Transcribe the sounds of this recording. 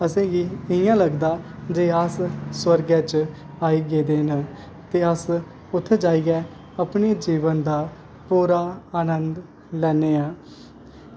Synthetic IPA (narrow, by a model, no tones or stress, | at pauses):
əsẽːɡiːɪɪjãːləɡd̪aːd͡ʒeːəsswəɾɡɛːt͡ʃ | aːiːɡeːd̪eːnãː | t̪eːəs | ʊt̪ʰːed͡ʒaːiːɡɛː | əpneːd͡ʒiːʋənd̪aː | puːɾaːaːnənd̪ | lɛːneːãː